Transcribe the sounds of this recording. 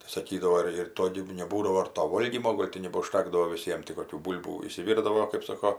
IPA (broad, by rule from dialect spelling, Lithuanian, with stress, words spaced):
tɐɪ sɐˈkʲiːdɐʋoː ɪr ɪr ˈtoː ɡʲɪ nʲɛˈbuːdɐʋoː ɪr toː ˈʋoːlʲɡʲiːmoː ˈɡoːlʲ tʲɪ nʲɛbɐʊʃʲˈtʲæːɡdɐʋoː ʋʲɪˈsʲiɛm tʲɪ koːˈkʲuː ˈbuːlʲbuː ɪʃʲsʲɪˈʋʲɪrdɐʋoː kɜp ˈsoːkoː